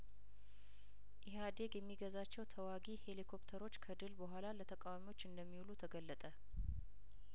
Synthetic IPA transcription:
ʔɪhad̪e̞ɡjɛmːiɡəzat͡ʃːɛwt̪ʰəwaɡihe̞likʰo̞pt̪ʰəɾo̞t͡ʃːkʰəd̪ɨlbəɦʷalalət̪ʰəkʼawamiwo̞t͡ʃːɨnd̪əmːiwlut̪ʰəɡəlːət̪ʼə

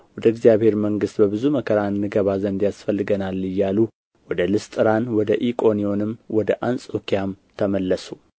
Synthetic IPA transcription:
wɔd̪əɨɡzijaβhe̞ɾməŋɡɨst̪bəbɨzuməkʰəɾanːɨɡəβazənd̪jasfəlːɨɡənalːɨjːalu | wɔd̪əlɨst̪ʼɨɾanwɔd̪əʔikʼo̞nio̞nɨmwɔd̪əʔansʼokijam | t̪ʰəməlːəsu

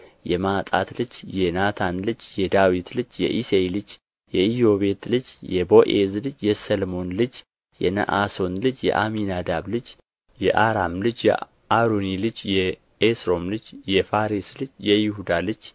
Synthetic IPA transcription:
jɛmat̪ʼa̰t̪lɨd͡ʒjɛnat̪ʰanlɨd͡ʒjɛd̪awit̪lɨd͡ʒjɛ̰ʔiselɨd͡ʒ | jɛijo̞βe̞t̪lɨd͡ʒjɛbo̞ʔḛzlɨd͡ʒjɛsəlmo̞nlɨd͡ʒ | jɛ̰nə̰ʔaso̞nlɨd͡ʒjɛ̰ʔaminad̪aβlɨd͡ʒ | jɛʔaɾamlɨd͡ʒjɛ̰ | aɾonilɨd͡ʒjɛ | esɾo̞mlɨd͡ʒjɛfaɾislɨd͡ʒjɛjɪhud̪alɨd͡ʒ

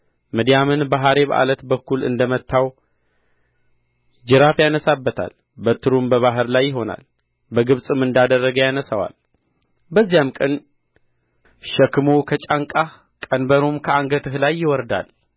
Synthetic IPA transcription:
məd̪jamɨnbaɦaɾe̞βʔa̰lət̪bəkːulɨ̰nd̪əmət̪ʰːaw | d͡ʒɨɾafjanəsabːət̪ʰa̰l | bət̪ʰːɨɾumbəβaɦɨɾlajːɪɦo̞na̰l | bəɡɨβsʼɨmːɨnd̪ad̪ərːəɡəwjanəsawa̰l | bəzːijamkʼən | ʃəkɨmokʰət͡ʃʼaŋkʼa | kʼənbəɾomkʰəaŋɡət̪ʰɨhlajːɪwɔɾd̪a̰l

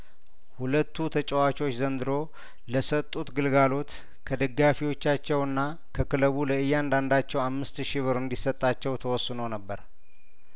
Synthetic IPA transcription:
hulət̪ːut̪ʰət͡ʃʼəwat͡ʃo̞t͡ʃːzənd̪ɨɾo̞ | ləsət̪ʼːut̪ɡɨlɡalo̞t̪ | kʰəd̪əɡːafiwo̞t͡ʃːat͡ʃːɛwɨnːa | kʰəkɨləβuləɨjːand̪and̪at͡ʃːɛwamːɨst̪ʃiβɨɾɨnd̪isət̪ʼːat͡ʃːɛwt̪ʰəwɔsːɨnəwnəbːəɾ

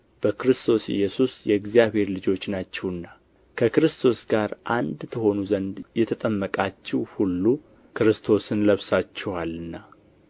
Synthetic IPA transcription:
b̥əkɨɾɨst̪ʰo̞sɪ̰jːɛsusjɛɡzijaβhe̞ɾlɨd͡ʒo̞t͡ʃːnat͡ʃːɛwɨnːa | kʰəkɨɾɨst̪ʰo̞sɡaɾʔand̪t̪ʰəɦho̞nuzənd̪jɛt̪ʰət̪ʼəmːəkʼat͡ʃːɛwhulːu | kɨɾɨst̪ʰo̞sɨnləβsat͡ʃːɛwalɨnːa

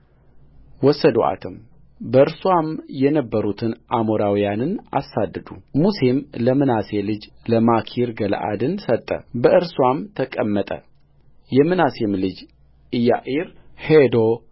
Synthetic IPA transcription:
wɔsəd̪o̰ʔa̰t̪ʰɨm | bəɨɾswamjɛnəbːəɾut̪ʰɨnʔamoɾawijanɨna̰sad̪ːəd̪umusemləmɨnaselɨd͡ʒləmakʰiɾɡəl̰ʔa̰d̪ɨnsət̪ʼːə̰bəʔɨɾswamt̪ʰəkʼəmːət̪ʼə̰ | jɛmɨnasemlɨd͡ʒ | ɨjːaʔiɾhed̪o

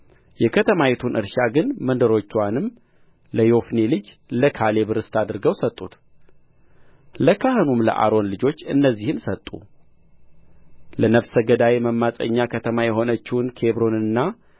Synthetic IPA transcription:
jɛkʰət̪ʰəmajet̪ʰunʔɨ̰ɾʃaɡɨnmənd̪əɾo̞t͡ʃːwanɨmː | ləjo̞fnelɨd͡ʒ | ləkʰale̞βɨɾɨst̪ʰad̪ɨɾɡəwsət̪ʼːut̪ | ləkʰahɨnumlə̰ʔa̰ɾo̞nlɨd͡ʒo̞t͡ʃːɨnːəzːihɨnsət̪ʼːṵ | lənəβsəɡəd̪aweməmːasʼə̰ɲːakʰət̪ʰəmajɛɦo̞nət͡ʃːɪwnkʰe̞βɾo̞nɨnːa

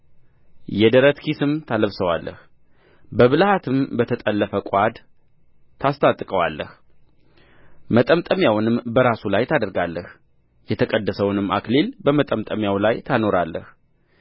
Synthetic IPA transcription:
jɛd̪əɾət̪kʰisɨmt̪ʰaləβsəwa̰lːə̰h | bəβɨlhat̪ʰɨmbət̪ʰət̪ʼəlːəfəkʼad̪ | t̪ʰast̪ʰʼat̪ʼːkʼəwa̰lːə̰h | mət̪ʼəmt̪ʼəmjawnɨmbəɾasulajt̪ʰad̪əɾɡalːəh | jɛt̪ʰəkʼəd̪ːəsəwnɨmːa̰klelbəmət̪ʼəmt̪ʼəmjawlajt̪ʰano̞ɾalːəh

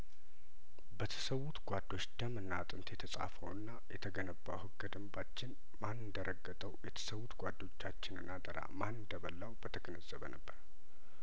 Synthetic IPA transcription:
bət̪ʰə̥səwːut̪ɡʷad̪o̞t͡ʃːd̪amɨnːat̪ʼɨnt̪jɛt̪ʰəsʼa̰fəwɨnːajɛt̪ʰəɡənəbːa̰hɨɡəd̪əmbat͡ʃːɪn | manːɨnd̪əɾʔəɡːət̪ʼəwjɛt̪ʰə̥səwːut̪ɡʷad̪ːo̞t͡ʃːat͡ʃːɪnɨnːad̪ʼəɾa̰mannd̪əβəlːawbət̪ʰəɡənəz̥əβə̰nʔəbːəɾ

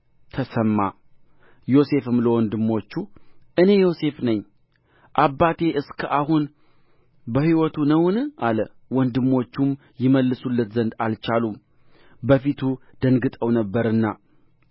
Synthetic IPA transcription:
t̪ʰəsəmːa̰ | jo̞se̞fɨmləwɔnd̪ɨmːo̞t͡ʃːuʔɨne̞jo̞se̞fnəɲː | ʔabːat̪ʰe̞ʔɨskʰəʔahun | bəhiwɔt̪ʰunəwnʔalə | wɔnd̪ɨmːo̞t͡ʃːum | jɪməlːɨsulːət̪zənd̪alt͡ʃalum | bəfit̪ʰud̪̥əŋɡɨt̪ʼəwnəbːəɾɨnːa

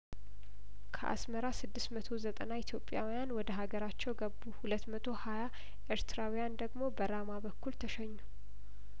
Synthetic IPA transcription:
kʰə̰ʔa̰sməɾasɨd̪ːɨsmət̪ʰo̞zət̪ʼənaɪt̪ʰjo̞pʼːjawijanwɔd̪əɦaɡəɾat͡ʃːɛwɡəbuhulət̪mət̪ʰo̞haja | ʔeɾt̪ɨɾawijand̪əɡmo̞bəɾamabəkːult̪ʰəʃɛɲːu

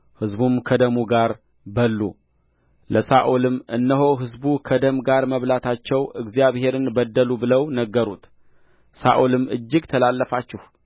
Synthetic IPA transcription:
hɨzbumkʰəd̪əmuɡaɾ | bəlːṵ | ləsaʔolɨmʔɨnːəɦo̞ɦɨzbukʰəd̪əmɡaɾməβlat̪ʰat͡ʃːɛwʔɨɡzijaβhe̞ɾɨnbəd̪ːəlubɨləwnəɡːəɾut̪ | sa̰ʔolɨmɨd͡ʒːɪɡt̪ʰəlalːəfat͡ʃːɪh

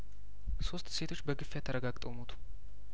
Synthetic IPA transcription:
so̞st̪se̞t̪ʰo̞t͡ʃːbəɡɨfːjat̪ʰəɾəɡaɡt̪ʼomot̪ʰu̥

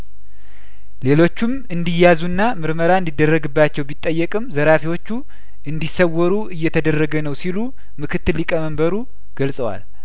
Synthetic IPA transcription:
le̞lo̞t͡ʃːum | ɨnd̪ijazunːamɨɾməɾaɨnd̪id̪ːərːəɡɨbːat͡ʃːɛwbit̪ʼːəjːɛkʼɨmzəɾafiwo̞t͡ʃːu | ʔɨnd̪isəwːɔɾuʔɨjːɛt̪ʰəd̪ərːəɡənəwsilu | mɨkʰɨt̪ːɨlːikʼəməmbəɾu | ɡ̥əlsʼəwa̰l

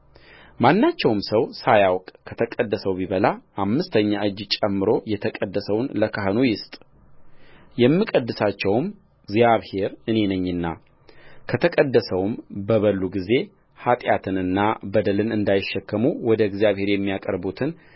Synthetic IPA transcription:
manːat͡ʃːɛwmsəwsajawkʼkʰət̪ʰəkʼəd̪ːəsəwbiβəlaʔamːɨst̪ʰəɲːaʔɨd͡ʒːt͡ʃʼɛmːɨɾo̞jɛt̪ʰəkʼəd̪ːəsəwnləkʰaɦɨnojɪst̪ʼ | jɛmːɨkʼəd̪ːɨsat͡ʃːɛwm | ɡzijaβhe̞ɾɨne̞nəɲːɨnːa̰ | kʰət̪ʰəkʼəd̪ːəsəwmbəβəlːuɡize̞ | hat̪ʼjat̪ʰɨnɨnːabəd̪əlɨnɨnd̪ajɪʃːɛkːəmuwɔd̪əɡzijaβhe̞ɾjɛmːijakʼəɾbut̪ʰɨn

